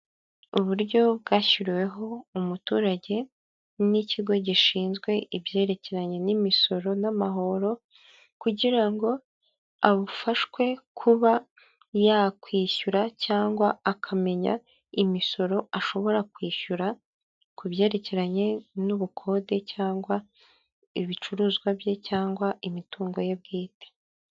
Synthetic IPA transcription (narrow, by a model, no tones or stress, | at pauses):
uβuɾɟo̞bɡaːçiɾiwe̞ɦo̞umutuːɾaɟe̞ | niciɡo̞ɟiʃiːnzɡwe̞ibje̞ːɾe̞ce̞ɾaɲe̞nimiso̞ɾo̞namaɦo̞ɾo̞ | kuɟiɾaŋɡo̞ | aβufaʃkwe̞kʰuβa | jakwiːʃuɾacaːŋɡwaakʰame̞ɲa̰ | imiso̞ɾo̞aʃo̞βo̞ɾakwiːʃuɾa | kuβje̞ːɾe̞ce̞ɾaɲe̞nuβukʰo̞ːde̞caːŋɡwa | iβit͡ʃuɾuːzɡwabje̞caːŋɡwaimituːŋɡo̞je̞b̚ɡiːte̥